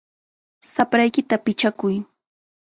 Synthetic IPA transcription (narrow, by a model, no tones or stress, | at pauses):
sapɾajkɪt̪apɪt͡ʃakʊj